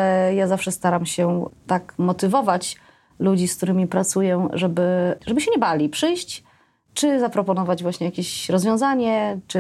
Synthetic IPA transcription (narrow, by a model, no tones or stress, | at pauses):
jazafʂɛst̪aɾamɕɛt̪akmɔt̪ɘvɔvat͡ɕ | lud͡ʑisk̚t̪uɾɘmʲipɾat̪sujɛʐɛbɘʐɛbɘɕɛɲɛbalʲipʂɘjɕt͡ɕ | t͡ʂɘzapɾɔpɔnɔvad͡ʑvwaɕɲɛjakʲeɕɾɔzvʲjɔ̃w̃zaɲɛt͡ʂɘ